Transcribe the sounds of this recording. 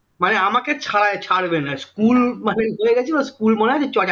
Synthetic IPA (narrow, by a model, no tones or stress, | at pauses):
maneamaket͡ɕʰaɽaet͡ɕʰaɽbenaskulmaneɦoeɡɛt͡ɕʰebaskulmoneɦad͡ʑet͡ɕɔʈa